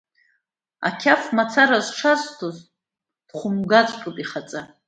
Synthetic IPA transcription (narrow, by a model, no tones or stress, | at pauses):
a̰kʲʰafmat͡sʰaɾazʈ͡ʂʰaztʰoz | d̥χʷʊmɡat͡sʷʼkʼɨpʼiχat͡sʼa